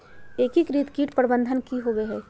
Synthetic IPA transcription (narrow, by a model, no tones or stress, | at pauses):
eːkikɾiːt̪kiːʈpəɾbə̃nd̪ʱənkiɦoːɡəiɦɛː